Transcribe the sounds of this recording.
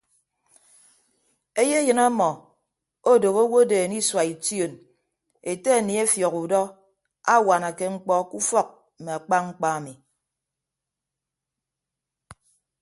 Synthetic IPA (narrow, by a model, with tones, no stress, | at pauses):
e˦je˦jɨ˨na˦mɔ˨ | o˦do˨ɣo˦wo˦deː˨ni˦swa˨i˨tjo˦˨n | e˨te˦a˨ni˨e˦fjɔ˨ɣu˨dɔ˦ | a˦wa˨na˨ke˦ŋ͡m̩˦k͡pɔ˦ku˦fɔ˦˨k̩̚˨me˨a˨k͡pa˦ŋ͡m̩˦k͡pa˦a˨mi˨